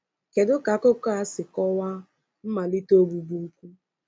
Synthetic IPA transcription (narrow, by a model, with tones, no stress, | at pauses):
ke˨dʊ˦ka˨kʊ˦ka˦sɪ˨kɔ˦wa˦ | m̩˦ma˨li˦to˦bu˨bu˦ŋ̩˦kʷu˦